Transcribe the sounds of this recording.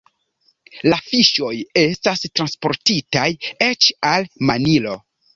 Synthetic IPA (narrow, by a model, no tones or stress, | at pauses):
lafiʃo̞je̞stastɾanspo̞ɾtitaje̞t͡ʃalmanilo̞